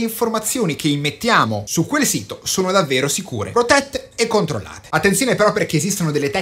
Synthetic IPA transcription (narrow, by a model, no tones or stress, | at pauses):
iɱformat̪sːjoːnik̟eimːet̪ːjaːmosukwelsiːt̪osoːnod̪avːeːɾosikṵːɾḛpɾot̪ɛt̪ːeekːont̪ɾo̰lːa̰ːt̪e̥at̪ːensjoːnepeɾɔpːerk̟ːeːzist̪onod̪elːet̪ɛ